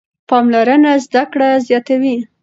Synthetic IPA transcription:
pɑmlaɾənazd̪akɽazjɑt̪awi

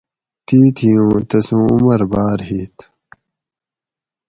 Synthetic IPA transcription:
t̪iːt̪ʰijũːt̪ɐsũːṵmɐɾbaːɾɦiːt̪

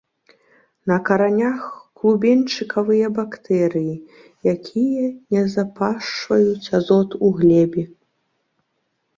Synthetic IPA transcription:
nɐkɐɾanʲaxklˠubʲɛnʲt͡ʂɨkɐvɨjɐbakt̪ɛɾɨji | jakʲʰijɐnʲɛzapaʂvɐjut͡sʲazɔt̪uɣlʲɛbʲɛ

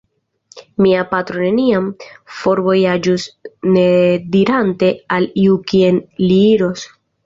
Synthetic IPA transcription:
miapat̪ɾo̞ne̞niamfo̞ɾvo̞jad͡ʒusne̞diɾante̞aliukie̞nliiɾo̞s

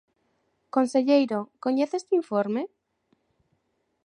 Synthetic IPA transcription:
konseʎejɾokoɲeθest̪iɱfoɾme

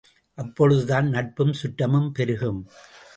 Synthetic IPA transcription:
ʔɐpːɔɻɯðɯðaːnnɐʈ̚pɯmsʊʈːɐmɯmpɛɾɯɣɯm

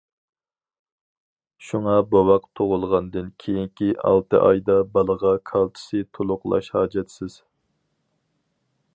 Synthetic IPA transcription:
ʃuŋɑbowɑqt̪ʰoʁʊlˠʁɑnd̪ɨnkʲʰejiŋkʲiʔɑ̰lˠt̪ɨ̰ʔɑjd̪ɑbɑlˠəʁɑkʰɑlˠt͡ʃ̪ʰɪ̥sɨt̪ʰolˠʊqlˠɑ̰ʃhɑːd͡ʒɛt̪sɪz̥

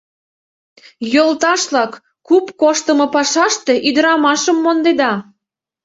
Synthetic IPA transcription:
jolt̪ɑʃlɑk | kupkoʃt̪əmɤ̆pɑʃɑʃt̪e̽ʔyd̪əɾɑmɑʃəmːond̪ed̪ɑ

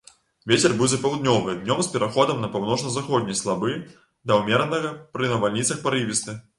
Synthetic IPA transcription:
vʲet͡sʲɛrbɨwd͡zʲɛpɐwd̪nʲɔvɨjɐd̪nʲɔmspʲɛɾaxɔd̪ɐmnɐpawnɔʂnɐzaxɔd̪ʲnʲɐjslˠabɨ | d̪ɐwmʲɛɾɐnɐɣɐpɾɨnɐvalʲnʲit̪sɐxpaɾɨvʲist̪ɨ

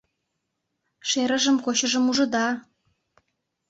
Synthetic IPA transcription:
ʃeɾə̆ʒə̆mkot͡ɕə̆ʒə̆muʒɤ̆d̪ɑ

